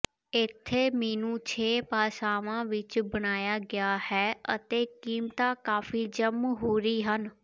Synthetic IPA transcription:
ɪt̪ʰːeːmeːnũːt͡ʃʰeːpaːsaːʋãːʋɪt͡ʃbəɽ̃aːjaːɡɪaːhɛːət̪eːkiːmt̪aːkaːfiːd͡ʒəmɦoːɾiːɦən

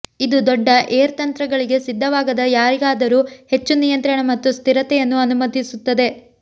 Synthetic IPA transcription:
id̪ud̪ɔɖːɐʔeːɾt̪ɐnt̪ɾɐɡɐɭiɡe̞sid̪ʱːɐʋaːɡɐd̪ɐjaːɾiɡaːd̪ɐɾuːhe̞t͡ʃːunijɐnt̪ɾɐɳɐmɐt̪ːust̪iɾɐt̪ɛjɐnːuɐnumɐd̪ʱisut̪ːɐd̪e̞

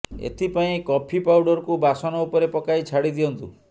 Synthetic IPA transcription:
ḛt̪ʰipaĩkɔpʰipawɖɔɾkubasɔnɔupɔɾepɔkajt͡ʃʰaɽid̪iɔnt̪ṵ

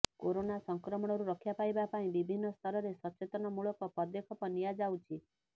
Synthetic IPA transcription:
koɾonasɔŋkɾɔmɔɽ̃ɔɾuɾɔkʰjapajbapaĩbibʱinːɔst̪ʰɔɾɔɾesɔt͡ʃet̪ɔnɔmuɭɔkɔpɔd̪ekʰɔpɔnːijad͡ʒawt͡ʃʰi

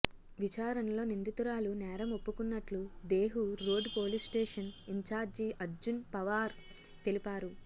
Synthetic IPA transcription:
ʋit͡ʃaːɾɐnɐlo̞ːnind̪it̪uɾaːlunɛːɾɐmo̞pːukunːɐʈlud̪e̞ːɦuɾo̞ːɖpo̞ːlisʈeːʂɐniɲt͡ʃaːɾd͡ʒiʔɐɾd͡ʒunpɐʋaːɾ | t̪e̞lipaːɾu

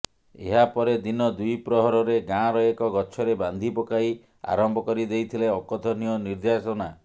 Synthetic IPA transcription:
ḛɦapɔɾed̪inɔd̪ujpɾɔɦɔɾɔɾeɡãɾɔekɔɡɔt͡ʃʰɔɾeband̪ʱipɔkai | a̰ɾɔmbʱɔkɔɾid̪ejt̪ʰileɔkɔt̪ʰɔniɔniɾd̪asɔna

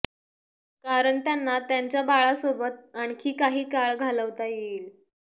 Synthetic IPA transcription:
kaɾəɳt̪janːat̪jaɲt͡ɕjabaɭasobət̪̚aɳkʰiːkaɦiːkaɭɡʱaləʋt̪ajeiːl

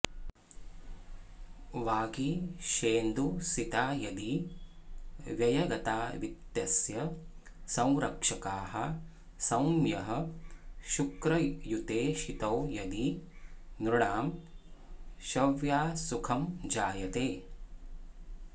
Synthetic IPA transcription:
ʋaːɡiʃeːnd̪usit̪aːjɐd̪i | ʋjɐjɐɡɐt̪aːʋit̪jɐsjɐ | sɐ̃w̃ɾɐkʂɐkaːɦɐ̰̆ | sɐ̃wmjɐɦɐ̆ | ʃukɾɐjut̪eːʃit̪ɐwjɐd̪i | nɾuɳaːm | ʃɐʋjaːsukʰɐmd͡ʒaːjɐt̪eː

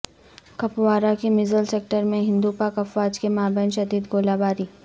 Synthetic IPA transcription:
kɐpwaːɾakemɪzəlseːk̚ʈəɾmẽɦɪ̃nd̪upaːkɐfʋaːd͡ʒkemaːbɛːnʃɐd̪iːd̪ɡoːlaːbaːɾiː

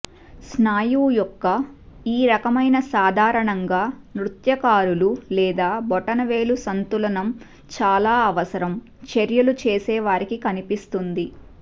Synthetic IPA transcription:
snaːjuːjɔkːɐiːɾɐkɐmɐjnɐsaːd̪ʱaːɾɐɳɐŋɡaː | nɾut̪jɐkaːɾululɛːd̪aːbɔʈːɐnɐʋe̞ːlusɐnt̪ulɐnɐm | t͡ʃaːlaːɐʋɐsɐɾɐm | t͡ʃeɾjɐlut͡ʃeːsɛːʋaːɾikikɐnipist̪und̪i

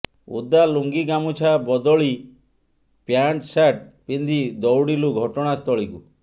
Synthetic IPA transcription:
ṵd̪aluŋɡiɡamut͡ʃʰabɔd̪ɔɭi | pjaɳʈsaʈ̚pind̪ʱid̪ɔwɽiluɡʱɔʈɔɽ̃ast̪ʰɔɭiku

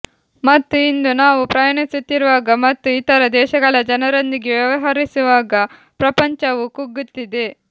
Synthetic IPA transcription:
mɐt̪ːuind̪unaːʋupɾɐjɐɳisut̪ːiɾuʋaːɡɐmɐt̪ːuit̪ɐɾɐd̪ɛːʃɐɡɐɭɐd͡ʒɐnɐɾɐnd̪iɡeʋjɐʋɐɦɐɾisuʋaːɡɐ | pɾɐpɐɲt͡ʃɐʋukuɡːut̪ːid̪e

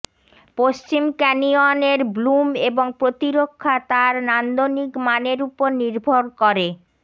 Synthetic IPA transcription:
post͡ɕimkɛnioneɾblumeboŋpɾot̪iɾokʰːat̪aɾnand̪onikmaneɾupoɾniɾbʱoɾkoɾe

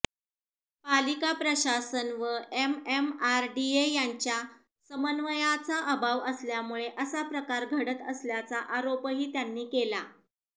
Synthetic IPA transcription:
palikapɾəɕasənʋəʔememaɾɖiejaɲt͡ɕja | səmənʋəjat͡saʔəbʱaʋəsljamuɭeʔəsapɾəkaɾɡʱəɽət̪əsljat͡saʔaɾopɦiːt̪janːiːkela

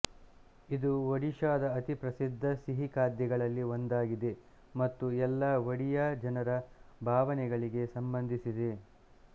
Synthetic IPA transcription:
id̪uʋɐɽiʃaːd̪ɐːt̪ipɾɐsid̪ʱːɐsiɦikaːd̪jɐɡɐɭɐlːiond̪aːɡid̪e̞ | mɐt̪ːuɛlːɐʋɐɽijad͡ʒɐnɐɾɐbʱaːʋɐnɛɡɐɭiɡe̞sɐmbɐnd̪ʱisid̪e̞

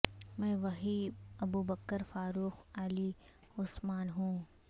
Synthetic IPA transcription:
mɛ̃ːʋɐɦiːɐbuːbəkːəɾfaːɾuːxali | ʊsmaːnɦũː

